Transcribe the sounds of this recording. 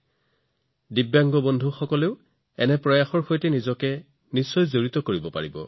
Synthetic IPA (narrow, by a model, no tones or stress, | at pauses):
dibjaŋɡɔbondʱuxɔkɔleʊ | ɛnɛpɹɔjaxɔɹxojtɛnizɔkɛ | nisːɔjzoɹitɔkoɹibɔpa̰ɹibɔ̰